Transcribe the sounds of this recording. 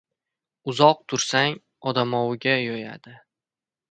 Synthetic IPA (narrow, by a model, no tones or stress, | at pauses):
ʊzɒq̚t̪ʰʊɾsaŋ | ɒd̪amɒwɪɡʲajɒja̰d̪ɪ